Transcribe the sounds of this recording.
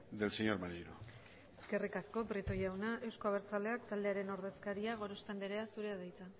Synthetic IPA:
d̪elseɲo̞ɾmaɾiɾo̰ | eske̞rikasko̞pɾit̪ojawnaʔe̞wsko̞aβe̞ɾt͡sale̞akt̪ald̪e̞aɾe̞no̞ɾðe̞skaɾiaɣ̞o̞ɾo̞st̪end̪eɾeasuɾe̞aðajt͡s̪a

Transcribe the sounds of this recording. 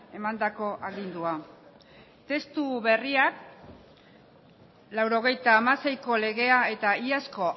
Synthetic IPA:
e̞mand̪ako̞ʔaɣind̪ua | t̪e̞st̪uβe̞riak | lawɾo̞ɣ̞e̞jt̪aːmase̞jko̞le̞ɣ̞e̞ae̞t̪aiasko̞

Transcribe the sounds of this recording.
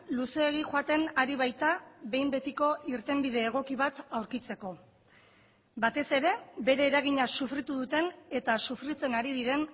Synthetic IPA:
luse̞ːɣ̞ixoat̪e̞naɾiβajt̪aβe̞jmbe̞t̪iko̞iɾt̪e̞mbiðe̞ːɣ̞o̞kiβat̪awɾkit͡se̞ko̞ | bat̪e̞se̞ɾe̞be̞ɾe̞ːɾaɣ̞iɲasufɾit̪uðut̪e̞ne̞t̪asufɾit͡se̞naɾiðiɾe̞n

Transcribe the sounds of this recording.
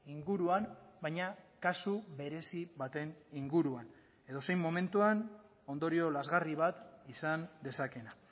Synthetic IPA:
iŋɡuɾuanbajɲakasuβe̞ɾe̞siβat̪e̞niŋɡuɾuan | e̞ðo̞sejmːo̞me̞nt̪uan | o̞nd̪o̞ɾio̞lazɣariβat̪isand̪e̞sake̞na

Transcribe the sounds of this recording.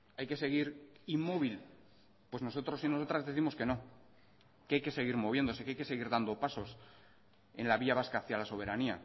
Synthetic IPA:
ajke̞se̞ɣ̞iɾimːo̞βil | pwe̞zno̞so̞t̪ɾo̞sino̞so̞t̪ɾazðe̞θimoske̞no̞ | keajke̞se̞ɣ̞iɾmo̞β̞je̞nd̪o̞sekeajke̞se̞ɣiɾðand̪o̞paso̞s | e̞̰nlaβiaβ̞askaθjalaso̞β̞e̞ɾania̰

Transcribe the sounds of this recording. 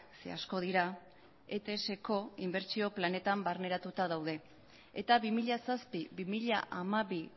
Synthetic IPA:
sḛa̰sko̞ð̞iɾa | e̞t̪ese̞ko̞imbe̞ɾt͡ʃio̞plane̞t̪ambaɾne̞ɾat̪ut̪aðawðe̞ | ḛt̪aβimiʎasaspiβimiʎaʔamaβi

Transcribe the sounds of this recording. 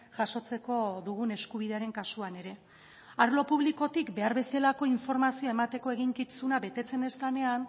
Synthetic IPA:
ʝaʃo̞t͡se̞ko̞ðuɣ̞une̞skuβ̞iðe̞aɾe̞ŋkasuane̞ɾe̞ | aɾlo̞puβliko̞t̪ikbe̞aɾβe̞selako̞iɱfo̞ɾmasioemat̪e̞ko̞e̞ɣ̞iŋkit͡sunaβe̞t̪e̞t͡se̞ne̞st̪ane̞an

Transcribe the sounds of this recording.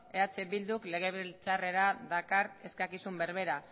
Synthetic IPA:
e̞at͡sebild̪ukle̞ɣ̞e̞βlt͡sare̞ɾaðakaɾe̞skakisumbe̞ɾβe̞ɾa

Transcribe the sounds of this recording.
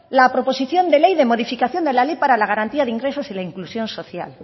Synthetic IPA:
lapɾo̞po̞siθjo̞nd̪elejðemo̞ð̞ifikaθjo̞nd̪e̞lalejpaɾalaɣ̞aɾant̪iaðeiŋɡɾesosilaiŋklusjo̞nso̞θja̰l

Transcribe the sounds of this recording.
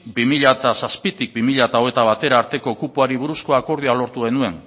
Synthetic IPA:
bimiʎat̪asaspit̪ik̚bimiʎat̪aoe̞t̪aβ̞at̪e̞ɾaːɾt̪e̞ko̞kupuaɾiβ̞uɾusko̞ako̞ɾð̞ialo̞ɾt̪uɣe̞nue̞n

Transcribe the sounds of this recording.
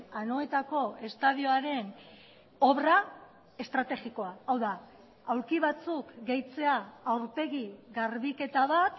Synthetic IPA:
ano̞e̞t̪ako̞e̞st̪aðioaɾe̞n | o̞βɾa | e̞st̪ɾat̪e̞ɣiko̞aawða | awɾkiβ̞at͡sukɡe̞jt͡se̞aːwɾpe̞ɣiɣaɾβike̞t̪aβat̪

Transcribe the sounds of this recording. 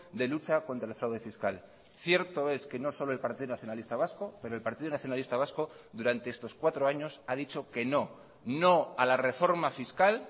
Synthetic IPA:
d̪e̞lut͡ʃako̞nt̪ɾaelfɾawðe̞fiskal | θje̞ɾt̪o̞e̞ske̞no̞so̞loe̞lpaɾt̪iðonaθjo̞nalist̪aβ̞asko̞pe̞ɾolpaɾt̪iðonaθjonalist̪aβasko̞ðuɾant̪eest̪o̞skwat̪ɾo̞aɲo̞saðit͡ʃo̞ke̞no̞ | no̞alare̞fo̞ɾmafiskal

